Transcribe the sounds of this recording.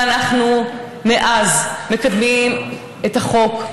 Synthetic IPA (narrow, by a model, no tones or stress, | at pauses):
anaχnu | meʔazme̞kad̪mim | ethaχo̞k